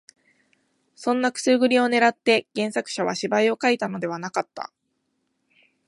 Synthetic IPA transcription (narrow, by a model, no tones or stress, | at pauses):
sõ̞nːakɯ̟̥sɨɡɯ̟ɾʲio̞ne̞ɾat̪ːe̞ɡ̥ẽ̞ɰ̃sakɯ̟̥ɕaβ̞a̰ɕibaio̞kait̪ano̞d̪e̞β̞anakat̪ːa̰